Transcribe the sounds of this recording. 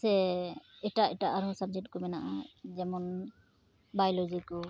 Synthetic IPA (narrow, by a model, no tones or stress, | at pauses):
sɛ | ɛʈaʔɛʈaʔaɾɦɔsab̚d͡ʒɛk̚ʈ̚kɔmɛnaʔad͡ʒɛmɔn | bajlɔd͡ʒikɔ